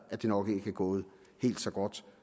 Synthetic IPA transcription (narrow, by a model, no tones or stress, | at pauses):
æd̥e̝nɒ̽ɡ̥əe̝ɡ̥æɡ̥ɔ̰̽ːð̩ˠ | he̝̰ːld̥sɒ̽ɡ̥ɒd̥